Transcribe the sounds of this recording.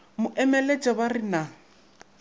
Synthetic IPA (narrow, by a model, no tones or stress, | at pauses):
mʊʔɛmɛlet͡ʃʼɛbarɪna